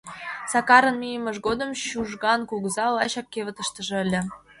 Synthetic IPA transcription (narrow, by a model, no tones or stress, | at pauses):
sɑkɑɾə̆nmijə̆mə̆ʃ̬ɣod̪ə̆mɕuʒɣɑnkuɣzɑlɑɕɑkːevə̆t̪ə̆ʃt̪ə̆ʒĕəlʲĕ